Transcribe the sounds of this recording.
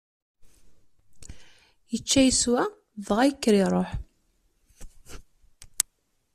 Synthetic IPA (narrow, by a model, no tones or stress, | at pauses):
jət͡ʃːæjəswæ | ðʁajəkːɾiɾˤoħ